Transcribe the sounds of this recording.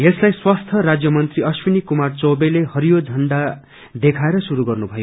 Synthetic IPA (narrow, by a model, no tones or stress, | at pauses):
jeslajswast̪ʰʌɾad͡zjʌmʌnt̪riʌswinikumart͡sobelehʌɾijod͡zʱʌɳɖa | d̪ekʰaeɾʌsuɾuɡʌrnubʱʌjo